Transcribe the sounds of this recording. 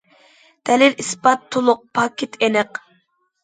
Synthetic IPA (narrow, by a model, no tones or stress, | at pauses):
d̪̥ɛlɪlispɑt̪ʰːolˠʊq̚pʰɑkʲʰɪt̪ʰenɨq